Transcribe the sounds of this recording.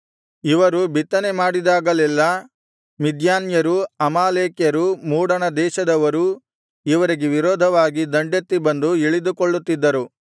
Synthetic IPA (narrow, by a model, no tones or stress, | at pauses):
iʋɐɾubit̪ːɐnemaːɽid̪aːɡɐlɛlːɐ | mid̪jaːnjɐɾuɐmaːleːkjɐɾumuːɽɐɳɐd̪ɛːʃɐd̪ɐʋɐɾu | iʋɐɾiɡeʋiɾɔːd̪ʱɐʋaːɡid̪ɐɳɖjɐt̪ːibɐnd̪uiɭid̪ukoɭːut̪ːid̪ːɐɾu